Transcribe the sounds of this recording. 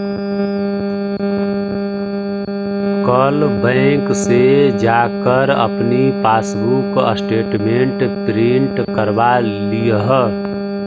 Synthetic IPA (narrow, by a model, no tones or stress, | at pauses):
kəlbə̃ɪksed͡ʒaːkəɾə̰pnipaːsbukə̰sʈeːʈmẽɳʈt̪ɾiɳʈkəɾba | lijəɦ